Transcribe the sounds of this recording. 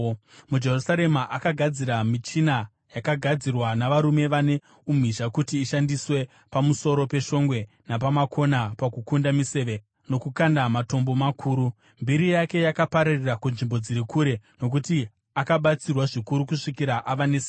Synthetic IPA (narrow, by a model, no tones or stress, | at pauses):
mud͡ʒe̞rusaɾe̞maʔakaɡʱad͡ziɾamit͡ʃina | jakaɡʱad͡zirwanaʋaɾume̞ʋane | um̤iʒakutiːʃandiswe̞ | pamuso̞ɾo̞pe̞ʃo̞ŋɡwe̞ | napamakʰo̞napakukundamise̞ʋe | no̞kukandamato̞mbo̞makʰuːɾu | mbiɾijake̞jakapaɾarirakunʐimbo̞d͡ziɾikuɾe̞no̞k̬uti | akaɓat͡sirwaʐikuɾukuʂikiɾaʔaʋanes